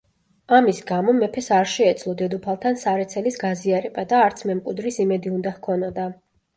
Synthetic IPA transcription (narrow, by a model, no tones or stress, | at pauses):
amisɡamɔmɛpʰɛsaɾʃɛːt̪sʰlˠɔd̪ɛd̪upʰalˠt̪ʰansaɾɛt̪sʰɛlisɡaziaɾɛbad̪aːɾt̪sʰmɛmkʼud̪ɾisimɛd̪iund̪ahkʰɔnɔd̪a